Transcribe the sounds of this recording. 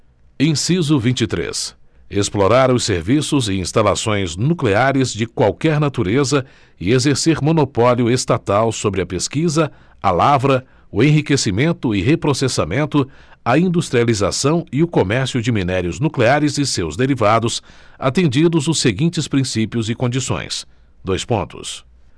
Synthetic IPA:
ẽj̃sizʊvĩnt͡ʃɪt̪ɾḛs | esploɾaɾ̃ʊseɾvisʊzɪĩst̪ala̰sõj̃znukleaɾɪzd͡ʒɪkwawkɛɾnat̪uɾezɐ | ɪezeɾseɾmõnopɔljʊest̪at̪awsobɾɪɐpeskizɐ | alavɾɐ | ʊẽɦikesimẽnt̪ʊɪɦepɾosesamẽnt̪ʊɐĩnd̪ust̪ɾializa̰sɐ̃w̃ɪʊkomɛɾsjʊd͡ʒɪminɛɾjʊznukleaɾɪzɪsewzd̪eɾivad̪ʊsa̰t̪ẽnd͡ʒid̪ʊzʊsːeɡĩt͡ʃɪspɾĩsipjʊzɪkõd͡ʒisõ̰j̃s | d̪ojspõnt̪ʊ̰s

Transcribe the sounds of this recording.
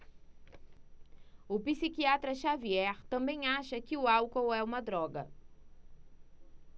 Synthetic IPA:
ʊpisikiat̪ɾɐʃaviɛɾt̪ɐ̃mbẽj̃aʃɐkɪʊawkowɛũmɐd̪ɾɔɡɐ̰

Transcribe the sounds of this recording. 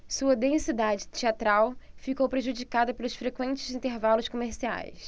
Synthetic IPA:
suɐd̪ẽŋsid̪ad͡ʒɪt͡ʃiat̪ɾawfikowpɾeʒud͡ʒikad̪ɐpelʊsfɾekwẽnt͡ʃɪ̥zĩnt̪eɾvalʊskomeɾsia̰js

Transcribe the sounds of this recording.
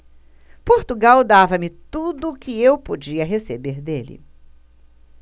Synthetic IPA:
poɾt̪uɡawd̪avɐmɪt̪ud̪ʊːkɪewpod͡ʒiɐɦesebeɾd̪elɪ̰

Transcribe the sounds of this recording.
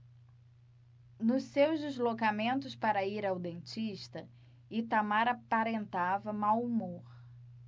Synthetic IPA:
nʊsewzd͡ʒizlokamẽnt̪ʊspaɾɐiɾawd̪ẽnt͡ʃiʃt̪ɐ | it̪amaɾapaɾẽnt̪avɐmawumoɾ

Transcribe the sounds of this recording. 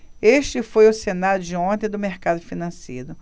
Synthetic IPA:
eʃt͡ʃɪfojʊsenaɾjʊd͡ʒɪõt̪ẽj̃d̪ʊmeɾkad̪ʊfinɐ̃sḛjɾʊ

